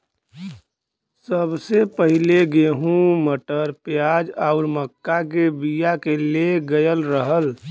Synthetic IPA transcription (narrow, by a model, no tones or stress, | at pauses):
səbsepəɦɪleɡeɦũməʈəɾpjaːd͡ʒaʊɾməkːak̬ebijakeleɡəjəlɾəɦəl